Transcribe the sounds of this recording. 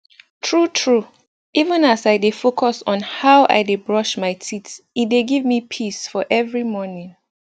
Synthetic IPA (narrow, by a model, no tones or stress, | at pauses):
tʰɹutʰɹu | ivə̃nasaɪjdefokʰɔsɔ̃nhaʊʔa̰ɪdebɹɔʃmaɪtʰitit̚deɡivmipʰisfɔʔɛvɹimɔnĩŋ